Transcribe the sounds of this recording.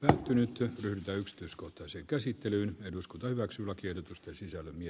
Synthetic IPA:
pæːt̪ːynyt̪ryhdyt̪æyksi̥t̪yiskoht̪ɑseːŋkæsit̪ːelyːneduskunt̪ɑhyʋæksyːlːækierot̪ust̪ensisælːømie

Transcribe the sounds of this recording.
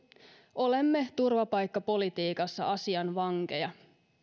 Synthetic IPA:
o̞le̞mːe̞t̪urʋɑpɑjkːɑpo̞lit̪iːkɑsːɑ̰ʔɑsiɑnʋɑŋke̞̰jɑ

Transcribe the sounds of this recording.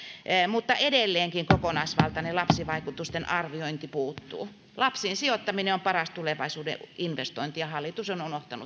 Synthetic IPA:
mut̪ːɑʔedelːeːŋkiŋkokonɑisʋɑ̰lt̪ɑnelɑpsiʋɑikut̪ust̪enʔɑrʋioint̪ipuːt̪ːṵː | lɑpsiːnsiot̪ːɑmineompɑrɑst̪uleʋɑisuːdḛʔinʋest̪oint̪ijɑhɑlːit̪usonunoht̪ɑnṵ

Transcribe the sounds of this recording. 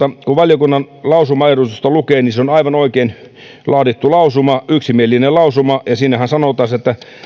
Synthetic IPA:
ɑkuʋɑljokunːɑn | lɑusumɑeɾust̪ust̪ɑlukeːniseonɑiʋɑnoikein | lɑːdit̪ːulɑusumɑyksimielːinelɑusumɑjɑsiːnæhænsɑnot̪ˑɑset̪ːæ

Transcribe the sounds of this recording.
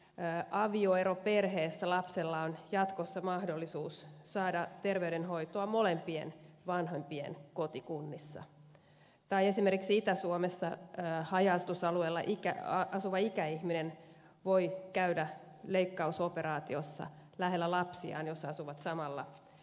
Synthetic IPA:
ʔɑʋioeɾoperɦeːsːælɑpselːɑonjɑt̪kosːɑmɑhdolːisuːsːɑːdɑt̪erʋeydenɦoit̪oɑmolempiḛnʋɑnɦompiḛnkot̪ikunːisːɑ̰ | t̪ɑiesimerkiksiit̪æsuomesːɑhɑjɑst̪usɑlueːlːɑ̰ʔikæ̰ɑsuʋɑikæihminen | ʋoikæydæ | leikːɑusopeɾɑːt̪iosːɑ̰læɦelːælɑpsiɑ̰ːnjosːɑɑsuʋɑt̪sɑmɑlːɑ̰

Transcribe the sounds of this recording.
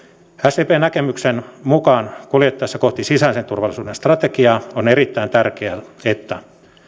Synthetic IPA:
æst̪eːpeːnækemyksenmukɑːnkuljet̪ːɑesːækoht̪isisænsent̪urʋɑlːˑisuːdenst̪rɑt̪ekiɑoneɾit̪ːæint̪ærkeæet̪ːæ

